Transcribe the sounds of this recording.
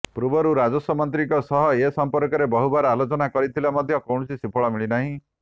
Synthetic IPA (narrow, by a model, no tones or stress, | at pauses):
pɾubɔɾuɾad͡ʒɔsɔmɔnt̪ɾikɔsɔɦɔesɔmpɔɾkɔɾebɔɦubaɾɔalot͡ʃɔnakɔɾit̪ʰilamɔd̪ʱjɔkɔwɳɔsisipʰɔɭɔmiɭinaɦĩ